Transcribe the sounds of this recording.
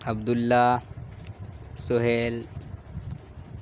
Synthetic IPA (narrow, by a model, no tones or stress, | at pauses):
abd̪ulːa | soɦel